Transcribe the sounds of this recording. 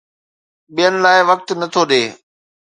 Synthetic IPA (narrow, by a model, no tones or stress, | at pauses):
ɓijənɪ̆laːɪʋɐk̚t̪nɐt̪ʰoɗeː